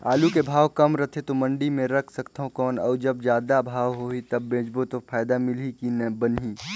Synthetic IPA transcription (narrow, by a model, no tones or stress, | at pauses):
a̰ːlukebʱaːwkɐmɾɐt̪ʰet̪omɐ̃ɳɖimẽɾɐkʰsɐkt̪aɦõkɔːnɔːɾd͡ʒɐbd͡ʒjaːd̪abʱaːʋɦoːit̪ɐbːẽːd͡ʒbot̪opʰaːjd̪amɪlikinbənɦiː